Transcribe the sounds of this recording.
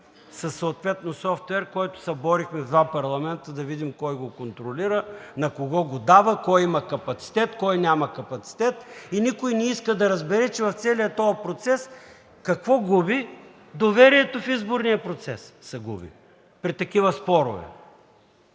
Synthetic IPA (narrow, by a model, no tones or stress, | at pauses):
sɐsːoːt̪vɛt̪nosɔft̪ɛɾkɔjt̪ʊ̥sɛbɔɾixmɛzd̪vapɐɾlˠɐmɛnt̪əd̪ɐvid̪imkɔjɡokont̪ɾoliɾənɐkoɡɔɡod̪avəkɔjimɐkɐpɐt̪si̥t̪ɛt̪kɔjnʲamɐkɐpɐt̪si̥t̪ɛt̪inʲikojnɛiskəd̪ɐɾɐzbɛɾɛt͡ʃɛvɐft̪sɛlijət̪ɔjɐpɾot̪sɛs | kɐkvɔɡubi | d̪ovɛɾiɛt̪ofizboɾnijəpɾot̪sɛsːɛɡṵbḭ | pɾit̪ɐkivəspɔɾʊ̰vɛ̰